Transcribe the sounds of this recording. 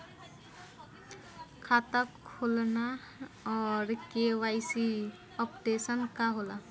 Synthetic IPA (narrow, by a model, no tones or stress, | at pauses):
kʰaːt̪əkʰːolna | ɔːɾkewaːɪsi | ɔpʈeːsənkaɦola